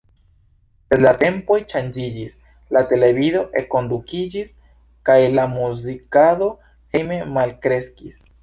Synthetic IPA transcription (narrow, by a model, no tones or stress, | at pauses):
eslate̞mpo̞jt͡ʃand͡ʒid͡ʒis | late̞le̞vido̞ʔe̞kːo̞ndukid͡ʒis | kajlamuzikado̞ | heme̞malkɾe̞skis